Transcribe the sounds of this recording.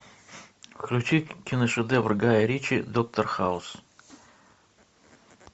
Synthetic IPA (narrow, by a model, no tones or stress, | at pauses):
fklʲʉt͡ɕikʲɪnəʂɨd̪ɛvrɡajəɾʲit͡ɕɪd̪ok̚t̪ərxaʊs